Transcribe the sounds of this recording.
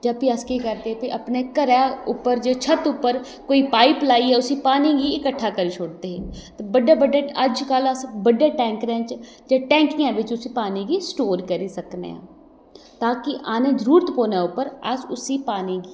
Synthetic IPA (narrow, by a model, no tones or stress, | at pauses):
d͡ʒəpiəskekəɾt̪epɪʔəpnekəɾɛːʊpːəɾd͡ʒet͡ʃʰət̪ʊpːəɾ | koːiːpaːɪplaːiɛːʊsiːpaːniɡiɪkəʈʰːaːkəɾiːt͡ʃʰoːɽt̪eːɦɛːt̪ebəɖaːbəɖaːəd͡ʒkaləsbəɖaːʈɛ̃ːŋkɾɛ̃t͡ʃ | d͡ʒaːʈɛ̃ːŋkijãːʋɪt͡ʃʊsipaːniɡiːsʈoːɾkəɾisəknḛã̰ː | t̪aːkɪʔaːneːd͡ʒəɾuːɾət̪poːnaːʊpəɾa̰sʊsipaːniɡiː